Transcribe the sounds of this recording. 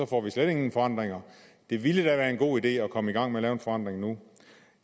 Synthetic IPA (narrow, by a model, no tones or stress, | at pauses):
ɒ̽fɒ̰ʋisleɾ̥eŋn̩fɒ̽ɑ̈n̰d̥ʁeŋɐd̥e̝ʋiləd̥æʋæːɐe̝nɡ̥o̝̰ːid̥e̝̰ːɒ̽kʰɒ̽məiɡ̥ɑ̈ŋ̰meɐlɛːʊenfɒ̽ɑ̈n̰d̥ʁeŋnu